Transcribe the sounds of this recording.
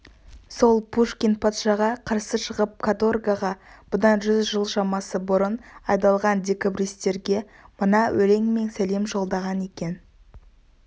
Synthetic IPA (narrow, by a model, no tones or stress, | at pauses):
so̞lˠpuʂkʲent̪̚pʰɑt̪ʃɑʁɑqʰɑɾsəʃəʁəp̚kʰat̪orɡaʁɑb̥ʊd̪ɑnʒʏzʒəlˠʃɑmɑsəbʊɾənɑjd̪ɑlˠʁɑnd̪ʲe̞kabɾist̪e̞ɾɡʲe̞ | mənɑwʔɵɾe̞ŋme̞nsæle̞mʒo̞lˠd̪ɑʁɑne̞kʲe̞n